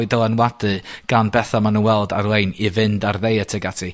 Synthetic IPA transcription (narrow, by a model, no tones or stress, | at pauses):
ɨdəlˠanwadɨɡ̥anbɛθamanəwɛlˠdarlˠejnivɪndarðejətʰɛɡatʰi